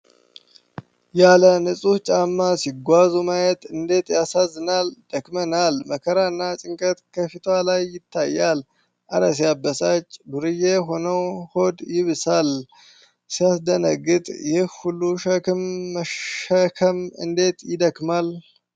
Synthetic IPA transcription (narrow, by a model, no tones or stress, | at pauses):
jalənɨsʼut͡ʃʼamːasiɡʷazumajɛt̪ɨnd̪e̞t̪jasazːɨnald̪̥əkmənalməkʰəɾaɨnːat͡ʃʼɪŋkʼət̪kʰəfit̪ʰwalajːɪt̪ʰːajːal | ʔaɾəs̬ijabːəsat͡ʃʼːbɨɾɨjeɦo̞nəwho̞d̪jɪβɨsal | sijasd̪ənəɡɨt̪ʼjɪhhulːuʃəkɨmːəəkʰəmɨ̰nd̪e̞t̪jɪd̪əkmal